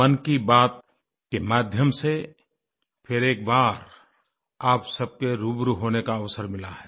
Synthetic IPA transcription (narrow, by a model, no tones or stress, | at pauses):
ənkibaːt̪̚ | kemaːd̪ʱjəmse | pʰɪɾeːk̚baːɾ | aːpsəb̚keɾubɾuɦoːnekaəʋsəɾmɪlaɦɛː